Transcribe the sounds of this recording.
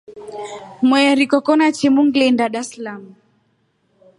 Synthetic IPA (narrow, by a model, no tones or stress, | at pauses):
mwɛɾikɔkɔnat͡ʃɛmuŋɡlɛndaɗaslamu